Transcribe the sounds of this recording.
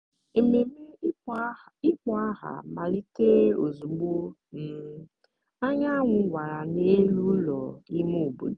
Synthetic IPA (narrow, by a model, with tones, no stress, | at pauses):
e˨me˨me˦i˦k͡pɔ˨˦a˦ɦa̰˨ma˨li˦te˦o˨zu˨ɡ͡bo˦ | m̩˨ | a˦ɲa˦a˦ŋʷʊ˨˦wʷa˨ɾa˨ne˦lu˦lɔ˨i˦mo˦o˨bu˨d